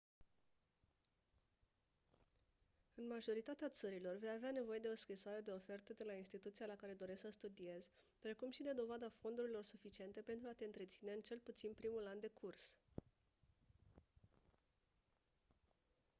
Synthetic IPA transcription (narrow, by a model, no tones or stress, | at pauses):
ɨnmaʒo̞ɾit̪at̪eat̪səɾilo̞rvejaveane̞vo̞je̞d̪e̞o̞skɾisoaɾe̞d̪e̞o̞fe̞rt̪əd̪e̞lainst̪it̪ut̪sialakaɾe̞d̪o̞ɾe̞sksəst̪ud̪ie̞z̥ʲ | pɾe̞kumʃid̪e̞d̪o̞vad̪afo̞nd̪uɾilo̞rsufit͡ʃie̞nt̪e̞pent̪ɾuat̪eɨnt̪ɾe̞t̪sine̞ɨnt͡ʃe̞lput̪sinpɾimuland̪e̞kʰurs